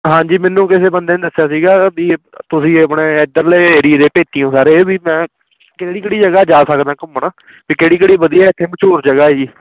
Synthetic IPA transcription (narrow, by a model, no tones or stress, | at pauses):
ɦãːɲd͡ʒiːmɛnːũːkɪseːbənd̪eːnːd̪əsːjaːsiːɡaːbiː | t̪ʊsĩːəpɳeːɪd̪əɾleːɾiːd̪eːpeːt̪iːjõːsaːɾeːbiːmɛ̃ː | keːɽiːkɪɽiːd͡ʒəɡaːd͡ʒaːsəkd̪ãːkəmːənaː | piːkeːɽiːkeɽiːbəd̪iːɛːɪt̪ʰːeːmət͡ʃʰoːɾd͡ʒəɡaːiː